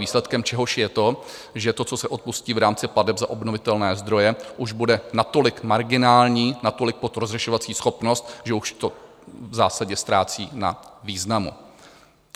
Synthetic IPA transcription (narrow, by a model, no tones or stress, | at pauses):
iːslɛt̪kɛmt͡ʃɛɦo̞ʃjɛt̪o̞ʒɛt̪o̞t͡so̞sɛʔo̞t̪̚pusciːvɾaːmt͡sɪpladɛpzaʔo̞bno̞vɪt̪ɛlnɛːzd̪ɾo̞jɛʔuʒbudɛnat̪o̞lɪkmaɾɡɪnaːlɲiːnat̪o̞lɪk̚po̞t̪ɾozrɛʃo̞vat͡siːsxo̞pno̞st̪ʒɛuʃt̪o̞ | vzaːsaɟɛst̪ɾaːt͡sḭːna̰viːznamṵ